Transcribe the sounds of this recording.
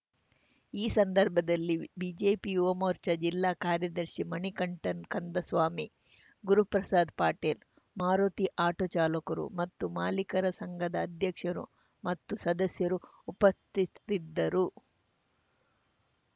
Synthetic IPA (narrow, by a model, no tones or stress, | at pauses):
iːsɐnd̪ɐɾbʱɐd̪ɐlːibid͡ʒeːpiuʋɐmoːɾt͡ʃɐd͡ʒilːaːkaːɾjɐd̪ɐɾʃimɐnikɐɳʈɐnkɐnd̪ɐsʋaːmi | ɡuɾuɦɐpɾɐsaːd̪paːʈeːl | maːɾoːt̪iʔaːʈoːt͡ʃaːlɐkɐɾṵmɐt̪ːumaːlikɐɾɐsɐŋɡʱɐd̪ɐːd̪ʱjɐkʂɐɾṵ | mɐt̪ːusɐd̪ɐsjɐɾu | upɐst̪it̪id̪ːɐɾu